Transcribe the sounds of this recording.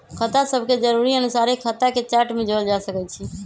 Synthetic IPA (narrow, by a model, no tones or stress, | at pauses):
kʰət̪asəbʱked͡ʒəɾuɾiənusaɾekʰət̪aket͡ʃaɾʈmẽd͡ʒold͡ʒasəkɛt͡ʃʰi